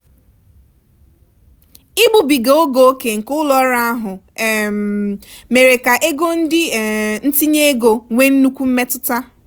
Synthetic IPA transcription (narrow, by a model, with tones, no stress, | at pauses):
i˦ɡ͡bu˨bi˨ɡe˨o˦ɡo˦o˦ke˨ŋ̩˨kʊ˦lɔ˦ɾa˦a˦ɦʊ˨ | m˨me˨ɾe˨ka˨ʔe˦ɡo˦n̩˦dɪ˦˨n̩˦ti˦ɲe˦e˦ɡo˨ŋʷe˦n̩˦nu˦kʷu˦m̩˦me˦tʊ˦ta˦